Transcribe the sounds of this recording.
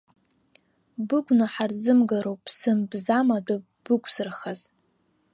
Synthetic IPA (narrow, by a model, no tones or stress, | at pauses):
bɨɡʷnaħarzɨmɡaɾowpʰsɨmbzamadʷa | b̥ɨkʷʰsɨrχaz